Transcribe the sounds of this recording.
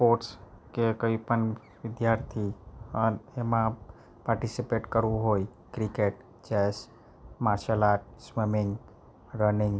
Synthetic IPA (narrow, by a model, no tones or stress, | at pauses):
poʈs | kekəipən | ʋɪd̪jaɾt̪ʰiənemã | paɾʈisipeʈkəɾũɦoj | kɾikeʈ | t͡ʃɛs | maɾʃalaʈsməmɪ̃ŋɡ | ɾənɪŋɡ